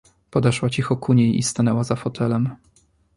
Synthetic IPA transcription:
pɔd̪ɛʂwat͡ɕixɔkuɲejḭst̪anɛwazafɔt̪ʰɛlɛm

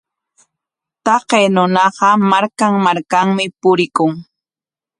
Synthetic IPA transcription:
t̪ɑqeːnʊnɑɢɑmaɾkaŋmaɾkaŋmɪpʊɾɪkʊŋ

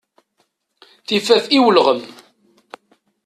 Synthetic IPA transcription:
θifæθiwəlʁəm

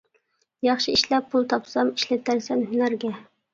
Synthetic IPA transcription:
jɑχʃɨiʃlɛp̚ːʰulˠt̪ʰɑpsɑmiʃlɪt̪ʰæɾsɛnɦynæɾɡʲɛ

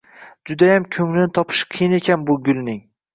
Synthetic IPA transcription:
d͡ʒʊd̪ajamkʲʰɵŋlɪnɪt̪ʰɒpʰɪ̥ʃqʰɨjɪne̞kʲʰanbʊɡʲʊlnɪŋ

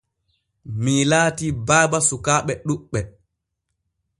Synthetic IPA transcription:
milaːtibaːbasukaːɓɛɗuɓːɛ

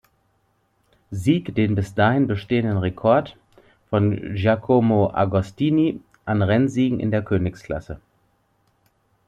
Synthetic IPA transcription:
ziːkd̥eːnbɪsd̥aːhɪnbəʃteːəndənʁekʰɔɐt | fɔnʒakʰomoʔa̰ɡɔstiːni | ʔanʁɛnziːɡŋ̩ʔɪ̰ndeːɐkʰøːnɪkskl̥a̰sə

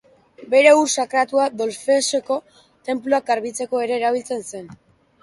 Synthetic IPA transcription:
be̞ɾe̞uɾsakɾat̪uaðo̞lfe̞se̞ko̞ | t̪e̞mpluak̚aɾβit͡se̞ko̞e̞ɾe̞ːɾaβ̞ilt͡se̞nse̞n

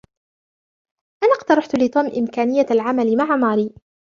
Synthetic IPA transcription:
ʔanaqt̪ɑɾˤɑħt̪ʊlɪt̪ˤuːmʔɪmkaːnɪjːaalʕamalmaʕamaːɾiː

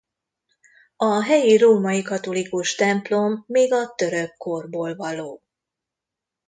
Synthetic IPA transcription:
ɒɦɛjiɾoːmɒjikɒt̪o̞likuʃt̪ɛmplo̞mːeːɡɒt̪ø̞ɾøkːo̞rboːlvɒloː

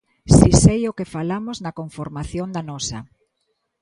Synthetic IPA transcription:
sisejokefalamoznɐkoɱfoɾmaθjond̪anɔsɐ̰

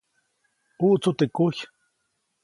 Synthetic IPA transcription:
uʔt͡sut̪ekuç

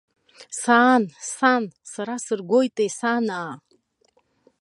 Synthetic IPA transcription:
saːnsansaɾasɨrɡʷojt̪ʼesanaː

